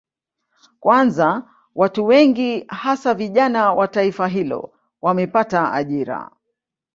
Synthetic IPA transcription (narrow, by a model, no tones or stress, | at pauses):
kwʔanza | watuwɛŋɡihasaviʄanawataifaɦilɔ̰ | wamɛpataa̰ʄiɾa̰